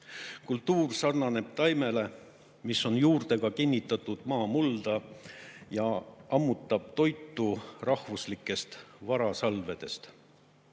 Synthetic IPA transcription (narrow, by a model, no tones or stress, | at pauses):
kult̪ˑːuːrsɑrnɑne̞b̥t̪ɑjme̞le̞ | miso̞njuːrd̪̥e̞ɡ̥ɑkinʲːit̪ːˑɑt̪ːˑud̪̥mɑːmuld̪̥ɑ | jɑɑmːut̪ːˑɑb̥̚t̪o̞jt̪ˑːurɑhvuslikˑːe̞st̪vɑɾɑsɑlve̞d̪̥e̞st̪